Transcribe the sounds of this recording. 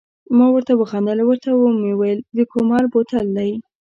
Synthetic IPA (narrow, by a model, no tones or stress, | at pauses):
mɑwəɾt̪awəxɑnd̪əlawəɾt̪awəmewejld̪əkomɑɾbot̪ald̪aj